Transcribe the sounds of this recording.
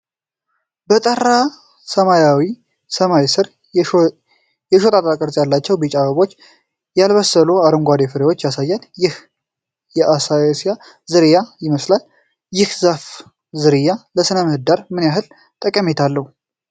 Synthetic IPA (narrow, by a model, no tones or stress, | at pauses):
bət̪ʼəra | səmajawi | səmajsɨɾ | jɛʃot̪ʼat̪ʼakʼəɾzʼjalːat͡ʃːɛwbit͡ʃʼaβəβo̞t͡ʃː | jalβəsəluaɾɨŋɡʷad̪efɨɾewo̞t͡ʃːjasajːanjɪh | jɛʔasajsja | zɨɾijajɪməslal | jɪhzaf | zɨɾɨjaləsɨnəməhɨd̪aɾmɨnjaɦɨl | t̪ʼəkʼːəmet̪ʰalːəhu